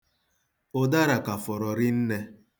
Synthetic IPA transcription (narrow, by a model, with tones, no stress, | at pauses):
o˦da˦ɾa˨ka˨fɔ˨ɾɔ˨ɾɪ˦n̩˦ne˦